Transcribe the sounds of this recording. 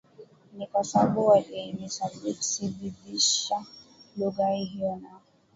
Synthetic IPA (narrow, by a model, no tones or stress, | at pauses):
nikasaɓuakɛinisabisiɓiɗiʃaluɣaiɦijɔna